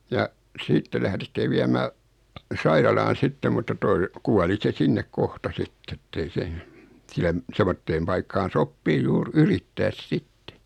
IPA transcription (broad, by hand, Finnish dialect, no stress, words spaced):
jɑ siːtːe læhɾetːi ʋiæmæː sɑirɑlɑːn̞ sitːe mutːɑ toi kuɑli se sinːek kohtɑ sitː etːei se sielæm semːotːeːm pɑikːɑːn̞ sopːiː juːr yritːæːs sitːe